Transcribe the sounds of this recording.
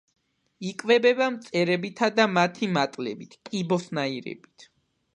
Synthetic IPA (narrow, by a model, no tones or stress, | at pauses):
ikʼvɛbɛbamt̪sʼɛɾɛbit̪ʰad̪amat̪ʰimat̪ʼlɛbit̪ʰkʼibɔsnaiɾɛ̰bit̪ʰ